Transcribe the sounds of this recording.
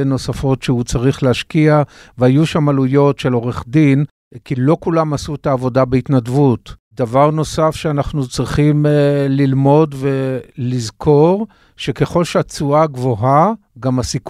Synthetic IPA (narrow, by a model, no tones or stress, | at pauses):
no̞safo̞tʃeut͡saʁiχleaʃkiaveajuʃamalujo̞tʃe̞lo̞ʁeχdin | kilo̞kulamasuetaːvo̞dabeitnadvutdavaʁno̞safʃeanaχnut͡sʁiχimlilmo̞dvelizkʰo̞ʁ | ʃe̞ke̞χo̞lʃeat͡suaɡvo̞ɦa | ɡamasik